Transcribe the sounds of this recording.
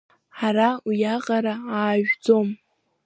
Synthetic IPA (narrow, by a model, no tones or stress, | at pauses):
ħaɾaujaqʼaɾaaːʒᶣd͡zo̞m